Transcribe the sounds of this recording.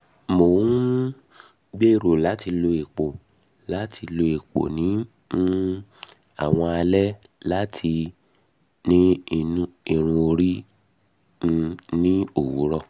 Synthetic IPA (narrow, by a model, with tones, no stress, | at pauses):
mo˨˦ | ɡ͡be˦˨ɾo˨la˨˦ti˧lo˧e˨k͡po˨ | la˨˦tʰi˧lo˧e˨k͡po̰˨nĩ˨˦ | nũ˦ | a̰˦˨w̃ɔ̃˧a˧lɛ˦la˦tʰi˧ | nĩ˦˧˦ | i˨ɾ̃ũ˧o˧ɾi˦˧ | nĩ˦o˦˨wu˨˦ɾɔ˦˨